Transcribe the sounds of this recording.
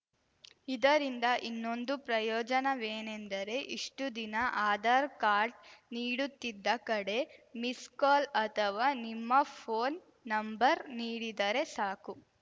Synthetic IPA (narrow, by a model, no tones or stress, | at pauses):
id̪ɐɾind̪ɐʔinːo̞nd̪upɾɐjɔːd͡ʒɐnɐʋeːnend̪ɐɾe̞ʔiʂʈud̪inɐʔaːd̪aːɾkaːɾɖniːɽut̪ːid̪ːɐkɐɽe̞miskaːlɐt̪ʰɐʋaːnimːɐpʰoːnː | ɐmbɐɾniːɽid̪ɐɾe̞saːku